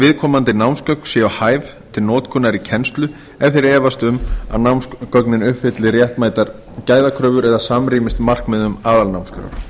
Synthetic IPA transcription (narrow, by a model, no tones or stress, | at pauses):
vɪðkʰɔːmant̪ɪnawmskœkn̥sɛjawhaːjv | t̪ʰɪlnɔːt̪kʰɔːnaɾicʰɛnst̪lʏ | ɛfθɪɾɛːvast̪ʏma̰ðnawmskœknɪnʏhpfɪt̪lɪrjɛht̪maːjt̪aɾ | caːjðakʰɾœːvʏɾɛðasamriːmɪst̪mar̥kmɛðʏmaːðalnawmskʰɾœ̰ːv